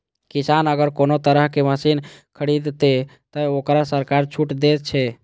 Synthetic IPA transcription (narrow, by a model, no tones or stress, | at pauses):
kisanəɡəɾkonot̪əɾəɦkeməsinkʰəɽid̪t̪et̪əokɾasəɾkaɾt͡ʃʰuʈd̪et̪̚t͡ʃʰɛ